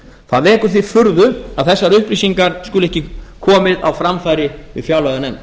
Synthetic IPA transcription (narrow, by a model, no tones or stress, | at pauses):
θaðvɛːkʏɾ̥θifʏɾðʏa̰ðθɛsːaɾʏhpɾiːsiŋkaɾ̥skʏlɛhcɪkʰɔːmɪða̰wfɾamfajɾɪvɪ̰ðfjawlœɣanejm